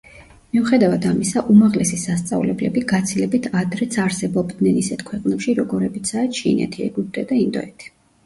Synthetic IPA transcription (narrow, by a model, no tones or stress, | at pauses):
miuχɛd̪avad̪amisaʔumaʁlɛsisast̪sʼa̰vlɛblɛbiɡat̪sʰilɛbit̪ʰad̪ɾɛt̪sʰaɾsɛbɔbd̪nɛnisɛt̪ʰkʰwɛqʼnɛpʃiɾɔɡɔɾɛbit̪sʰaɛʃḭnɛ̰t̪ʰiɛ̰ɡup̚d̪ʼɛd̪aind̪ɔ̰ɛt̪ʰi̥